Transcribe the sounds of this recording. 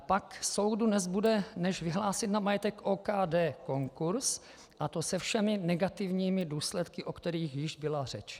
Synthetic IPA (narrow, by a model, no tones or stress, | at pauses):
pakso̞wdudnɛzbudɛnɛʒvɪɦlaːsɪt̪namajɛt̪ɛkʔoːkaːdɛːko̞ŋkuɾs | ʔat̪o̞sɛfʃɛmɪnɛɡat̪ɪvɲiːmɪduːslɛt̪kɪʔokt̪ɛɾiːxjɪʒbɪlar̝ɛt͡ʃ